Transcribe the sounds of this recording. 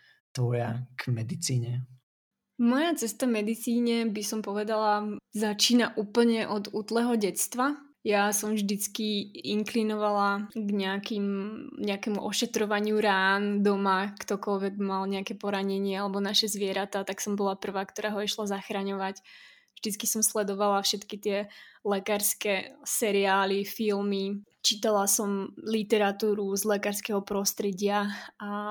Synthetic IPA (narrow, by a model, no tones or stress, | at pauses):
t̪ʋɔja̰ɡ̥mɛd̪it͡siːɲɛ | mɔjat͡sɛst̪amɛd̪it͡siːɲɛbisɔmpɔʋɛd̪alazat͡ʃiːnaʔuːpl̩ɲɛʔɔd̪uːt̪lɛɦɔɟɛt͡st̪ʋa | jasɔmʒd̪it͡skiiŋklinɔʋalaɡɲɛakimɲɛakɛmuʔɔʃɛt̪ɾɔʋaɲɪuɾaːnd̪ɔmakt̪ɔkɔlʋɛɡmalɲɛakɛpɔɾaɲɛɲɪɛalɛbɔnaʃɛzʋɪɛɾat̪aːt̪aksɔmbɔlapr̩ʋaːkt̪ɔɾaːɦɔiʃlazaxɾaɲɔʋac | vʒd̪it͡skisɔmslɛd̪ɔʋalafʃɛt̪kit̪ɪɛlɛkaːɾskɛsɛɾiaːlifilmit͡ʃit̪alasɔmlit̪ɛɾat̪uːɾuzlɛkaːɾskɛɦɔpɾɔst̪ɾɛɟɪaa